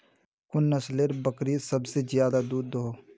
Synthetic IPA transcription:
kʊnːəsleɾbəkɾisəbsezjaːd̪ad̪uːd̪ɦoː

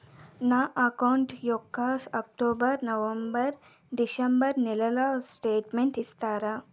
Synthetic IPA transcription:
naːʔɐkɐwɳʈjokːaːsɐk̚ʈoːbɐɾnɐʋɐmbɐɾ | ɖisɐmbɐɾnilɐlaːsʈeːʈmeɳʈist̪aːɾɐ

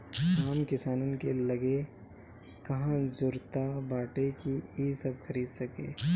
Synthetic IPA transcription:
saːmkɪsaːnənkelɐɡe | kɐɦãzʊɾt̪abaːʈekiiːsɐb̚xʰɐɾiːd̪sɐkḛː

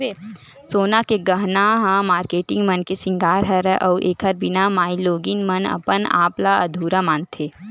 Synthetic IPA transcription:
soːnakeɡəɦnaɦãmaːɾkeːʈɪ̃ŋɡmənkesɪ̃ŋɡaːɾɦɛɾɛʔɔːʔeːkʰəɾbɪnamaːiloːɡɪnmɐnɐ̰pəna̰ːplaɐ̰d̪ʱuːɾamaːnt̪ʰeː

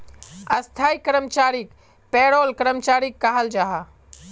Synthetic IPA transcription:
ɐst̪ʰaːikəɾəmt͡ʃaːɾik | peːɽolkəɾəmt͡ʃaːɾikːaɦəld͡ʒaːɦa

